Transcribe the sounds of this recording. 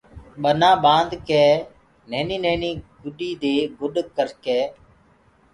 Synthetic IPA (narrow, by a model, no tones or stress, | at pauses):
ɓənãːɓãːnd̪keː | neːniːnẽːnĩːɡʊɗiːd̪eːɡʊɗkəɾkeː